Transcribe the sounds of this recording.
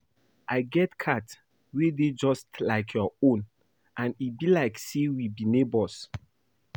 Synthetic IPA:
ʔaɪɡɛtkʰat | weded͡ʒɔstlaɪkʰjɔõn | ʔãnibilaɪksewibinebɔs

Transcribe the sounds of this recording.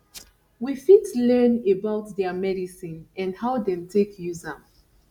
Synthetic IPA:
wifitlɜ̃nebaʊtdɛamɛɾisĩnɛ̃nhaʊdɛ̃mtʰekʰjuza

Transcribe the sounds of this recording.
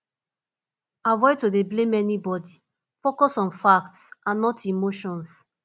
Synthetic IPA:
avɔɪtodeblẽmɛnibɔdi | fokɔsɔ̃nfaktsãnːɔtimoʃɔ̃ns

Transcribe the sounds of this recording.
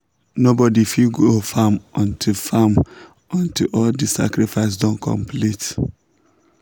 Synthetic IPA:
nobɔdifilɡofãmɔ̃ntʰifam | ɔ̃ntilɔldisa̰kɾifaɪsdɔ̃nkʰɔ̰̃mplit

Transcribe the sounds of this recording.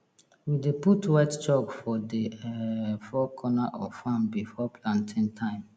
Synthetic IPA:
wideputwɛtt͡ʃɔɡfɔdeɛfɔkʰɔnaʔɔfãmbifɔpʰlãntʰĩntʰãɪ̃m

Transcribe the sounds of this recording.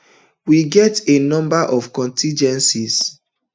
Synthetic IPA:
wiɡɛtenɔ̃mbaʔɔvkɔ̃ntʰĩnd͡ʒɛ̃nsis

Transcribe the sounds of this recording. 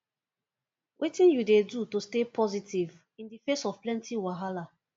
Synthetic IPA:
wʔetĩnjudedutostepʰɔzitiv | ĩndifesɔv̥plɛ̃ntʰiwaɦala

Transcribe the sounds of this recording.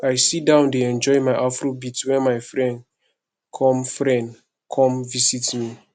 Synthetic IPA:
ajsidãʊ̃ndeɛ̃nd͡ʒɔɪmaɪʔafɹobitwɛ̃nmaɪfɹɛ̃nd | kʰɔ̃mfɹɛ̃nd | kʰɔ̃mvisitmi

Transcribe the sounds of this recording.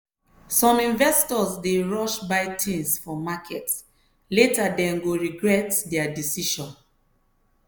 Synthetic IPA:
sɔ̃mĩnvɛstɔsdeɹɔʃbaɪtʰĩnsfɔmakʰɛt | letadɛ̃nɡoɹiɡɹɛtdɛadisiʃɔ̃n

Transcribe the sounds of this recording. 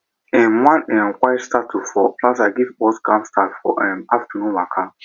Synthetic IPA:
ɛ̃mwãnɛ̃nkaɪtstatʰufɔpʰlasaɡivbɔskãmstatfɔʔɛmaftənũakʰa

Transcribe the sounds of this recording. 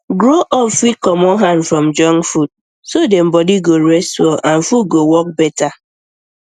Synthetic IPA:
ɡɾoʔɔfikɔmɔɦanfɾɔm̩d͡ʒɔŋfud̚ | sodem̩bɔdiɡoɾɛstwɔʔan̩fuɡowɔk̚bɛta

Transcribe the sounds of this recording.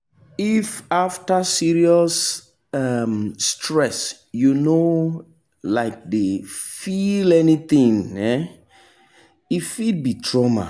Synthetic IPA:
ifaftasiɹiɔs | amːtʰɹɛs | juno | laɪk̚defilɛnit̪ĩŋɛ | ifid̚bitʰɹɔma̰

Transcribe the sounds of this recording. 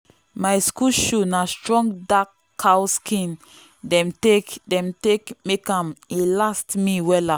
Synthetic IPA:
maɪskuʃunastɹɔ̃ŋɡdak | hawskĩn | dɛ̃mtedɛ̃mtekmekãmelastmiwɛla

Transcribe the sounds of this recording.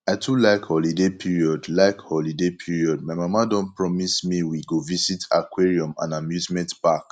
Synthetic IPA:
aɪtʰulaɪkhɔlidepʰiɹiɔdlaɪkhɔlidepʰiɹiɔd̚maɪmamadɔ̃npɹɔmismiwiɡovisitʰakweɹiɔ̃mã̰namjuzmɛ̃ntpak

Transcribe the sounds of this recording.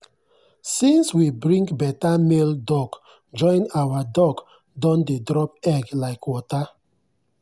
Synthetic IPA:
sĩnswibɹĩŋkbɛtameldɔɡ | d͡ʒɔ̃ɪ̃nawadɔɡ | dɔ̃ndedɹɔp̚ɛɡlaɪkʰwɔta

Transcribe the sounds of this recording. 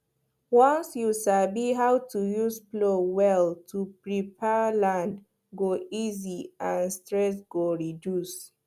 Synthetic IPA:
wɔ̃nsjusabiɦawtujuzplowɛltʰupɹipʰɛlãnd | ɡoiziãnstɹɛs̬ɡ̥oɹidjus

